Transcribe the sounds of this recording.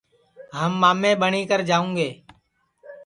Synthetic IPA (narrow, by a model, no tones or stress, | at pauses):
ɦəmːaːmẽːɓəɳiːkəɾd͡ʒaːũːɡeː